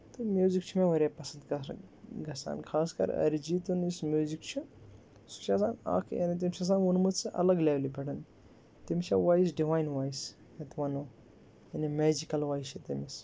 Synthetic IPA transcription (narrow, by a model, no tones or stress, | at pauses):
t̪umjuːzikt͡ʃʰumẽʋɐɾapɐsɐnd̪ɐɡɐsa̰ːnkʰaːskɐ̰ɾɐ̰ɾid͡ʒiːt̪unismʲjuːzikt͡ʃʰu | su̥t͡ʃʰasaːna̰ːkʰja̰ːnit̪̬imt͡ʃʰas̬aːnʋunmud̪sɨʔɐ̰lɐɡleːlibʱʲɛɽɐn | t̪imt͡ʃʰaʋaːis̬ɖiʋaːjnʋaːjis | et̪ʰʋɐnoː | janimeːd͡ʒikɐlʋaːiʃʰit̪imis